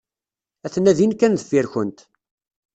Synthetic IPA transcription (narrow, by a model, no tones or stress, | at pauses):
æθnæðinkːænðəfːiɾçənt̪